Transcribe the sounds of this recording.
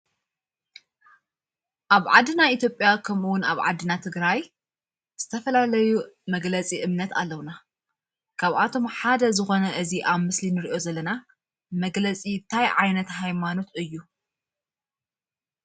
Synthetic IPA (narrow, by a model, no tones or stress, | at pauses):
ʔaβʕa̰d̪ːɨnait̪ʰjo̞pʼjakʰɐmuwʊnaβʕa̰d̪ːɨnat̪ʰɨɡɾaj | z̥ɨt̪ʰɐfɐlalɐjumɐɡlɐt͡sʼiʔɨmnɐt̪a̰lːɐwna | kʰaβʔat̪ʰo̞mħad̪ɐzɨxo̞nɐʔɨziʔaβmɨslinɨɾiʔo̞zɐlːɐna | mɐɡlɐt͡sʼint̪ʰajʕajnɐt̪ɦajmano̞t̪ɨjːu